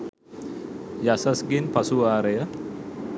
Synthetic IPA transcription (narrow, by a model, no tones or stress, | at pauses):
jasasɡinpasuaɾejə